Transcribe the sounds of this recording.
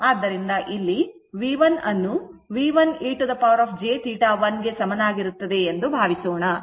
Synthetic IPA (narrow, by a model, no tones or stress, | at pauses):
aːd̪ːɐɾind̪ɐʔilːi | ʋiːʋɐnɐnːuʋiːʋɐniːʈɐd̪ɐpɐʋɐɾaːpd͡ʒeːt̪ʰiːʈaːʋɐnɡe̞sɐmɐnaːɡiɾut̪ːɐd̪e̞end̪ubʱaːʋisoːɳɐ